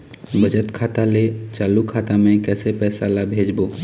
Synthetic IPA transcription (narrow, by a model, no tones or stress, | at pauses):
bəd͡ʒət̪kʰaːt̪alet͡ʃaːlukʰaːt̪amẽkɛːsepɛːsalabʱeːd͡ʒboː